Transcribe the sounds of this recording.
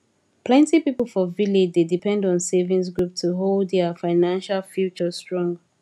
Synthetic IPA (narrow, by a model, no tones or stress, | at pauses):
pʰlɛ̃ntipipl̩ˠfɔviled͡ʒdedipʰɛ̃ndɔ̃nsevĩns̬ɡɹup̚tʰuɦolˠdðɛfaɪnãnʃalfjut͡ʃəstɹ̥ɔ̃ŋ